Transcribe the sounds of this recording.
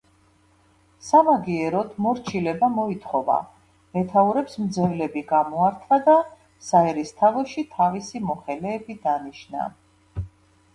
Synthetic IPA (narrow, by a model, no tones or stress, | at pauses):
samaɡiɛɾɔt̪ʰmɔɾt͡ʃʰilɛbamɔit̪ʰχɔva̰ | mɛt̪ʰauɾɛpsmd̪zɛvlɛbiɡamɔaɾt̪ʰvad̪a | saɛɾist̪ʰavɔʃit̪ʰavisimɔχɛlɛːbid̪aniʃna̰